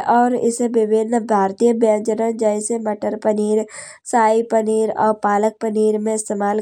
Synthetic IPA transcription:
ʔɔːɾɪ̰seʋɪbɪnəbʱaːɾt̪ijəbjãd͡ʒənə̃d͡ʒəɪseməʈəɾpəniːɾ | saːipəniːɾɔ̰ːɾpaːlək̚pəniːɾmẽɪst̪eːmaːl

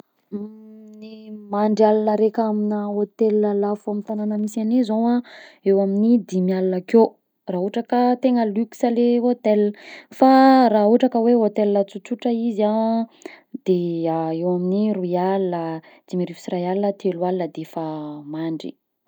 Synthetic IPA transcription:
nimaɳɖ͡ʐialanəɾekaminaot̪elalafomit̪ananəmisanezowaewaminid̪imialanəko | raːɦuʈ͡ʂakət̪eŋəlyksəleɦot̪elfaraɦuʈ͡ʂakəweɦot̪elːət͡sut͡ʃuʈ͡ʂəiza | d̪̥eaewaminirujalə | d̪̥imiɾifi̥sirajalət̪ʰelwalnəd̪efamaɳɖ͡ʐḭ

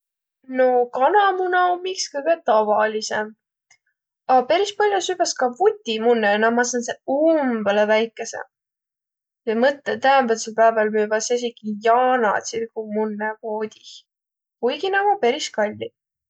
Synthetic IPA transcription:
no̞kɑnɑmunɑomikskɤjɡet̪ɑvɑlisem | ɑpe̞ɾispɑlʲːjɑsybɑskɑvut̪ʲːimunːenɑmɑs̬ɑnseumbelevæjkːˑe̞sḛ | jɑmɤt̪ːˑet̪æemvæt̪selpæːvɑlmyːvɑses̬ikijɑːnɑ̰t̪sirkumunːekoːd̪̥ʲih | kujɡinɑɡ̥ɑpe̞ɾiskɑlʲːi

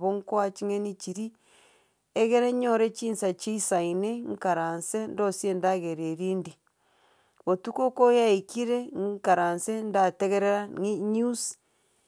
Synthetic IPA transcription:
βoŋkwat͡ʃiŋenit͡ʃiɾi | eɣeɾeɲoɾet͡ʃiːnsat͡ʃiisaineŋkaɾansendosiendaɣeɾeɾiːndi | βotukokojaikiɾeŋkaɾansendateɣeɾeɾaŋiɲus

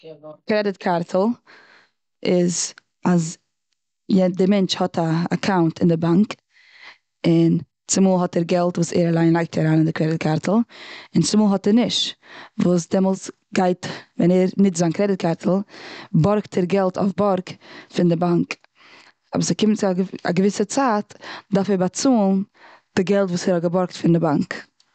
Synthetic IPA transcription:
kɾɛdɪtkʰaɾtʰl̩ˠ | ɪz | as | jɛdɪmɛnt͡ʃhɔtʰaːkʰaʊntʰɪndɪbaŋk | ɪn | t͡sɪmuːlˠɦɔtɛɾɡɛlˠtvuːsɛ̰ːɾalˠaɪnlˠaɪk̚tʰaɾaːnɪndɪkɾɛdɪt̚kʰaɾtʰl̩ˠɪnt͡sɪmuːlˠhɦɔtɛɾnɪʃvuːs̬dɛmɔlˠs | ɡaɪtvɛnɛɾnɪtzaːnkɾɛdɪt̚kʰaɾtʰl̩ˠbɔɾktʰɛɾɡɛlˠtʰa̰ʊfbɔɾkfɪndɪbaŋk | ɔ̰bəɾsɪkɪmt͡sɪa̰ɡəvɪsət͡saːtdaɾfɛɾbat͡suːn | d̥ɪɡɛlˠtvuːsɛɾhɔɡəbɔɾk̚tfɪndɪbaŋk

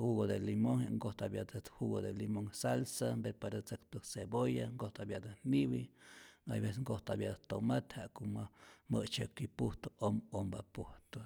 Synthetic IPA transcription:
huɡod̪elimoŋheʔŋɡoht̪abjad̪ahuɡod̪elimoŋsalsambeɾpaɾat͡sɨkt̪ɨsebojaŋɡoht̪abjad̪aniβia̰jbesŋɡoht̪abjad̪at̪omat̪haʔkoʔmaməʔt͡ʃəkipuht̪oʔomombapuht̪o

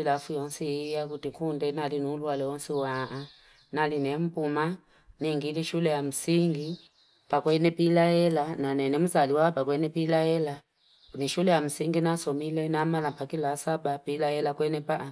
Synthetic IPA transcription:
ilafujɔnsijakutikundɛnalinuːlwalɛɔnsiwaʔa | nalinɛm̩puma | niŋɡiliʃulɛjam̩siŋɡi | pakwɛnɛpilaɛlananɛnɛmuzaliwapakwɛnɛpilaɛla | niʃulɛjam̩siŋɡinasɔmilɛnamalapakilasabapilahɛlakwɛnɛpa

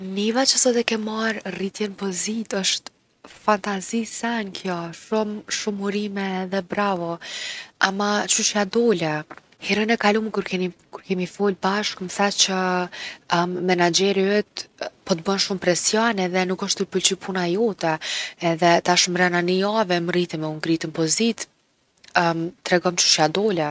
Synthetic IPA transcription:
nivat͡ʃəsɔt̪ɛkɛmːaɾrit̪jɛnpɔzit̪əʃt̪ | fant̪azisɛnkʰjɔʃumʃumuɾimɛːðɛbɾavɔ | amat͡ʃuʃad̪ɔlɛ | hɛɾənɛkalumkuɾkɛikuɾkɛmifɔlbaʃkməθat͡ɕə | ɛnad͡ʒɛɾiɛt̪pɔt̪bənʃumpɾɛsjɔnɛðɛnukəʃt̪uɾpult͡ɕipʰunajɔt̪ɛɛðɛt̪aʃmɾɛnaniavɛmrit̪ɛmɛuŋɡɾit̪ənpɔzit̪ | t̪ɾɛɡɔmt͡ʃu̥ʃjad̪ɔlɛ

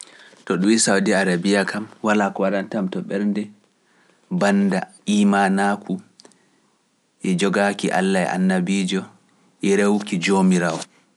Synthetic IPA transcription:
tɔɗumisawdiaɾabiakʰamwalakɔwaɗantamtɔɓɛɾndɛ | bandaʔimanakʰu | ʔɛd͡ʒɔɡakiʔa̰lːajɛ̰ʔa̰nːabiːd͡ʒɔ | ʔɛɾewkid͡ʒomiɾawɔ

